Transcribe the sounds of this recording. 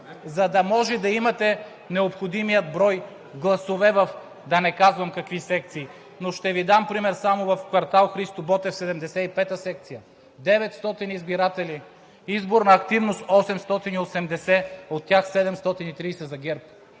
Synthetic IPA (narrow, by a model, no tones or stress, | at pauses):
zɐd̪ɐmɔʒɛd̪ɐimɐt̪ɛ | nɛopxod̪imijəd̪̚bɾɔj | ɡlˠɐsovɛvɐf | d̪ɐnɛkazvɐmkɐkvisɛk̚t̪siː | noʃt̪ɛvid̪ampɾimɛɾsamovɐfkvɐɾt̪alˠxɾist̪obɔt̪ɛfsɛd̪ɛmd̪ɛsɛipɛt̪əsɛkt̪sijɐ | d̪ɛvɛt̪st̪ɔt̪inizbiɾat̪ɛli | izboɾnɐːkt̪ivnost̪ɔsɛmst̪ɔt̪iniosɛmd̪ɛsɛot̪ːjaxsɛd̪ɛmst̪ɔt̪init̪ɾijsɛzɐɡʲɛɾp̚